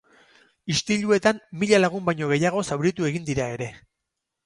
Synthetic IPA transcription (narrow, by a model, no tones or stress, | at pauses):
ist̪iʎue̞t̪amːiʎalaɣ̞umbajɲo̞ɣ̞e̞jaɣ̞o̞sawɾit̪ue̞ɣind̪iɾae̞ɾe̞